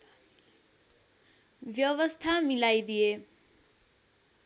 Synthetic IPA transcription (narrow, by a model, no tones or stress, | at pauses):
ʋjʌwʌst̪ʰamilajd̪ije